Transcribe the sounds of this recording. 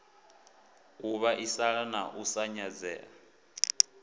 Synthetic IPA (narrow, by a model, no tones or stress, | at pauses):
k̬ʼuβaʔisanaʔusaɲad͡zɛ̰ːa̰